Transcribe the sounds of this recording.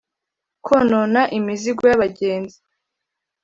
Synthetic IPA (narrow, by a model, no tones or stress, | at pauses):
kʰononaʔimiziɡojaβaɟeːnzi